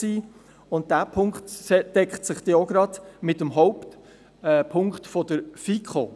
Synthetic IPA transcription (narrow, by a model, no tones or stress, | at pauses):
siː | ʊnt̚d̥æːpʰʊŋktd̥ɛkχtsɪχd̥eːoɡɾɑdmɪtəmɦɔʊpt | ɛpʰʊŋkχtfɔdəɾfikχo